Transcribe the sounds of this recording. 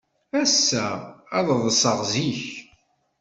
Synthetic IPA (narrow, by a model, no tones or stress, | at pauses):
æsːææðˤəðˤsˤəʁziç